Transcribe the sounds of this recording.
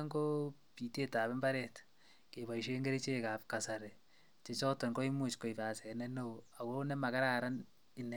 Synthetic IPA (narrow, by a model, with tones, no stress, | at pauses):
ŋko˦ | pi˨te˦taː˨βɛ˦mba˦ɾɛt | ke˨βa˨iʃ̬e˦ŋɡe˦ɾit͡ʃe˦kaː˨pka˨sa˨ɾe | t͡ʃe˨t͡ʃɔ˦tɔ˨ŋɡo˦i˦mut͡ʃko˨ipaː˨sɛ˨nɛnoa˨konɛ˦ma˨ka˦ɾaː˦ɾa˦n | ɪ˨ne